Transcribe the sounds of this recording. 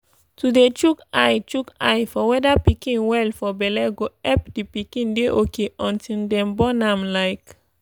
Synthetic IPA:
tudet͡ʃukajt͡ʃuka̰jfɔwɛdapikĩnwɛlfɔbɛlɛɡoɛpdipikĩndeʔokeʔɔ̃ntildɛ̃mbɔnãmlaɪk

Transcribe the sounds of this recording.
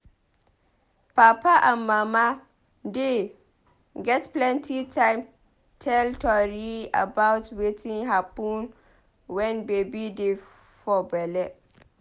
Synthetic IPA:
papaʔamːãma | dɪ | ɡɛtplɛ̃ntʰitʰãɪ̃m | tʰɛltʰɔɾia̰baʊtwetʰĩŋɦapũn | wɛnbebidɪ | fɔbɛlɛ

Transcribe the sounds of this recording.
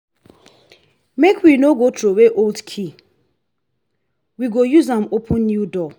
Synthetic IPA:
mekʰwinoɡotɾoeweʔoldkʰi | wiɡojuzãmopʰə̃nːjudɔ

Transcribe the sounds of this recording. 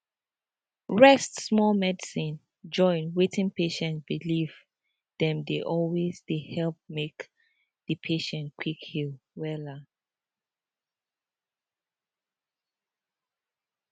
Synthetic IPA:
ɹɛstsmɔlmɛdisĩn | d͡ʒɔ̃ɪ̃nwetʰĩnpʰeʃɛ̃ntb̥iliv | dɛ̃mdeʔɔlwezdehɛlp̚mek | ðəpʰeʃɛ̃ntkʰwikhilˠwɛla

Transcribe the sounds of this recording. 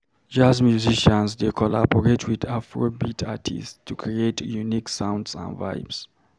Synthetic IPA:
d͡ʒazmjuziʃãnsdekʰɔla̰bɔɹetʰwidafɹobitʰatʰḭsttʰukʰɹietʰjuniksãw̃ndsã̰nva̰jbs

